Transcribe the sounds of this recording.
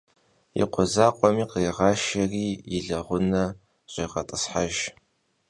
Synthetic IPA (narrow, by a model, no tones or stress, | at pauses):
ḭqʷɔzaːqʷʼɔmiːqejʁɑːʃɐriːjɪɮɐʁʷʊnɐ | ɕʼiːʁɐtʼɨsħaʒ